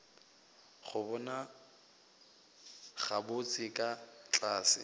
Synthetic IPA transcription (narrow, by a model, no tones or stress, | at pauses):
χʊbɔna | χabʊt͡sʼɪkʼat͡ɬʼaːsɪ̰